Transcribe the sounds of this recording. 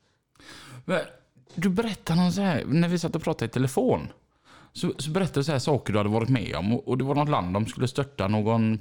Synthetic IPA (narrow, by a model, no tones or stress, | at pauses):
mɛn | d̪ɵbɛɾɛt̪ːanɔnsɔhæːɾnæɾvɪsat̪ːɔpʰɾɑːt̪ad̪ɪt̪ʰɛləfoːn | sɔsɔbɛɾɛt̪ːad̪ɪs̬ɔhæːʂɑːkəɖɵhad̪əvɑːɾɪt̪mɛ̰ːɔ̰mɔʔɔd̪ɛvaɾɳɔt̪la̰nd̪ːɔmskɵlːəst̪œʈːanoːɡɔn